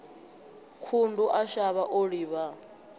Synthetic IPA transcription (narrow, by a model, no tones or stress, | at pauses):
kʰunduʔaʃaβaʔoɺiβa